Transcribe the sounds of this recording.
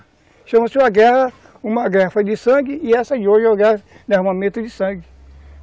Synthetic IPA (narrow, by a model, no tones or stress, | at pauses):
ʃɐ̃mɐsɪũɐɡɛhɐ | ũmɐɡɛhɐfod͡ʒɪsɐ̃ɡɪɪɛsɐoʒoɡɛ | nehmɐmẽt̪ʊd͡ʒɪsɐ̃ɡɪ